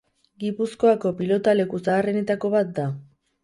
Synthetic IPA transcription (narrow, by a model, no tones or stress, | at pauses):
ɡipuskoako̞pilo̞t̪ale̞kusaːre̞ne̞t̪ako̞βat̪̚d̪a